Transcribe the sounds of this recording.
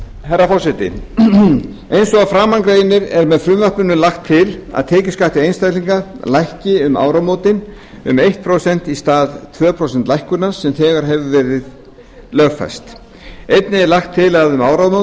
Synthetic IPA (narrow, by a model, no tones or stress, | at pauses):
harːafɔrsɛt̪ɪ̰ | ejnsɔɣafɾaːmaŋkɾeːjɪnːɪɾɛɾmɛðfɾʏmvapnʏnʏlaxt̪ʰːɪla̰ðt̪ʰɛːcɪskaht̪ɪejnst̪ajliŋkalajhcɪʏma̰ːwɾawmoːwt̪ɪn | ʏ̰mejht̪̚pʰɾosɛn̥t̪ist̪aːðt̪ʰvœːpʰɾowsɛnt̪lajhkʏnḁsɛmθɛːɣaɾ̥ɦɛvʏvɛːɾɪð | lœːɣfa̰jst̪ | ejt̪nɪɛlaxt̪ʰːɪlaðʏmawɾawmo